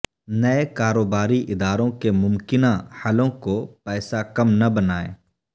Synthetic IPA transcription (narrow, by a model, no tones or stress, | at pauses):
nɐekaːɾoːbaːɾiʔɪd̪aːɾõkemʊmkɪnahɐlõkopɛːsakɐmnɐbɐnaːḛː